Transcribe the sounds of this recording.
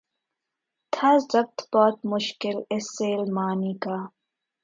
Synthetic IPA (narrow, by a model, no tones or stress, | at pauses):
t̪ʰazɐb̚t̪bɔːt̪mʊʃkɪleseːlmaːniːkaː